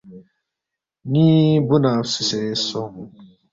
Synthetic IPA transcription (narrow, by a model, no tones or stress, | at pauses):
nĩːbʊnasusesɔ